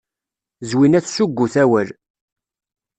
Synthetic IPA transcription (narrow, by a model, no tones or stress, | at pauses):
zwinæθsuɡʷːuθæwəl